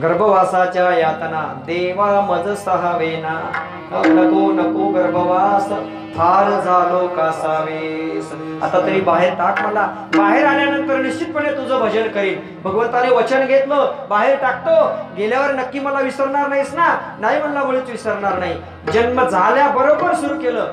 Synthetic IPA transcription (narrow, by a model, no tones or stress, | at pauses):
ɡəɾbʱəʋasat͡ɕjajat̪nad̪eʋaməd͡z̪səɦaʋena | ənəkonəkoɡəɾbʱəʋas | fʰaɾd͡zʱalokasaʋes | a̰t̪at̪əɾiːbaɦeɾʈakməla | baɦeɾaɳjanənt̪əɾniɕt͡ɕit̪̚pəɳet̪ud͡zəbʱəd͡ʑənkəɾiːl | bʱəɡʋənt̪aleʋət͡ɕənɡʱet̪ləbaɦeɾʈak̚ʰt̪oɡeljaʋəɾnəkːiːməlaʋisəɾɳaɾnaisnanaɦim̤ənlabʱolət͡sʋisəɾɳaɾnaɦi | d͡ʑənməd͡zʱaljabəɾobəɾsuɾuːkeləː